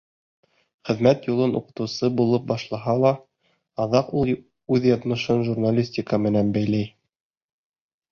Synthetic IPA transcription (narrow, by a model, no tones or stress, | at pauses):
χɘ̆ðmæt̪julˠɤnʔṵqɤ̆t̪ɤ̆wsɤbulˠɤp̚bɑʃlˠɑɦɑlˠɑ | ɑðɑqulˠ | ʉðjɑt̪mɤ̆ʃɤnʒurnalʲisʲtʲikəmɘ̆nænbæjlæj